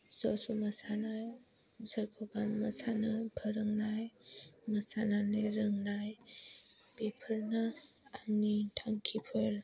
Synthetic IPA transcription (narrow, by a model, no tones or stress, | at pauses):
sɔsumɐsanaj | səɾkʰɔbanmɐsanapʰəɾɯŋnajmɐsananeɾɯŋnaj | bepʰəlnaːnitʰaŋkʰipʰɯɾ